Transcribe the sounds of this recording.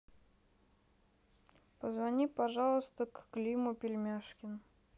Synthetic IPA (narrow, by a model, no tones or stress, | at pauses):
pəzvɐnʲipɐʐɑlˠəst̪əkːlʲimʊpʲɪlʲmʲaʂkʲɪn